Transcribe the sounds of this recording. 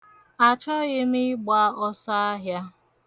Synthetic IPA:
a˨t͡ʃɔ˦ɣɪ˦mɪ˦ɡ͡ba˦ɔ˦sa˦a˦ɦja˦

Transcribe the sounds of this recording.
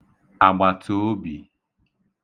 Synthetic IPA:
a˨ɡ͡ba˨tʰo˨˦bi˨

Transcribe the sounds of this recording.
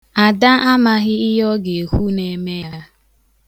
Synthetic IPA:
a˨da˦ʔa˦ma˦ɣɪ˦ɪ˦ɦɔ˦ɡe˨e˨ku˦ne˨me˦a˦

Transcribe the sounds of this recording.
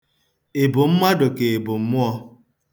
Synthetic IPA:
e˨bʊ˨m̩˦ma˦dʊ˨ke˨e˨bʊ˨m̩˦mʊ˦ɔ˦

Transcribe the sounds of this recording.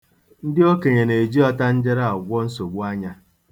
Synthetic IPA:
n̩˦dɪ˦o˦ke˨ɲe˨ne˨d͡ʒi˦ɔ˦ta˦n̩˦d͡ʒe˦ɾa˦˨a˨ɡʷɔ˦n̩˦so˨ɡʷu˦a˦ɲa˦

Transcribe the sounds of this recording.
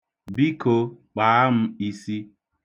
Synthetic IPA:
bi˦ko˦k͡paː˨˦m̩˦i˨si˦

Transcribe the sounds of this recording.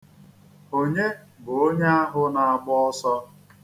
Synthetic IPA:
o˦ɲe˦ | bʊ˨o˦ɲe˦a˦ɦʊ˦na˨a˨ɡ͡bɔ˦ɔ˦sɔ˦

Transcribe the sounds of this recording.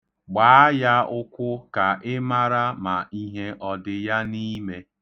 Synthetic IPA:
ɡ͡ba˨˦ja˦ʊ˦kʷʊ˦ka˨ʔɪ˦ma˦ɾa˦ma˨i˦ɦe˦ʔɔ˨dɪ˨ja˦ni˦me˦

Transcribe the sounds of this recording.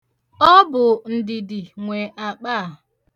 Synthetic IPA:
ɔ˦bʊ˨n̩˨dɪ˨dɪ˨ŋʷe˨ʔa˨k͡pa˦˨

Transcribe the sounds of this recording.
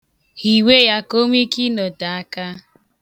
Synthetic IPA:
hi˨we˦ja˦ko˦m˦i˦ki˦no˨da˨a˦ka˦

